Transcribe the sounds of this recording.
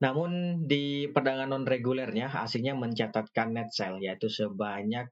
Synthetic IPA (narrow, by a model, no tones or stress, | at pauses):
namʊndipərdaŋanɔnreɡulɛrɲaa̰siŋɲaməɲt͡ʃat̪at̪̚kanːɛt̪̚sɛljait̪usəbaɲak̚